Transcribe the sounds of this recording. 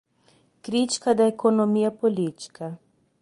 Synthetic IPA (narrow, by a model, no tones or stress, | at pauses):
kɾit͡ʃkad̪aekʰonɔmiːjapɔlit͡ʃkʰa